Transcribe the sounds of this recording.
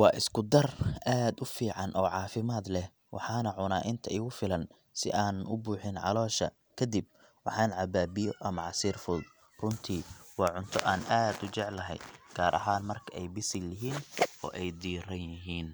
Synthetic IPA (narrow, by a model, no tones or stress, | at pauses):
wɑːʔɪskʰʊd̪ɐraːd̪ʊfiːʕɑnʔɔːʕɑːfɪmaːd̪lɛh | wʔɑ̰ħɑːnɐʕʊnaːʔɪnt̪ʰɐʔɪɣʊfɪlɐn | sɪ̰ʔaːnɐnʊbuːħɪnʕɑ̰lɔːʃɐ̰ | kʰɐd̪ib̚ | wɑħɑːnʕɑbaːbɪjɔʔɐmɐʕɑsiːrfʊld̪ | rʊnt̪ʰiːwɑːʕʊnt̪ʰɔʔaːnʔaːd̪ʊt͡ʃɛʕlɐɦɛ̰jɡ̥aːɾʔɐ̰ɦaːnmɐrkʰɐɛjbɪsɪlɪɦiːnɔ̰ːʔɛjd̪iːrɐnjɪɦiːn